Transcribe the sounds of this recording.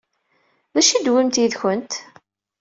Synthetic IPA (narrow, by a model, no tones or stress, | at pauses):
ðæʃid̪wimt̪jiðçənt̪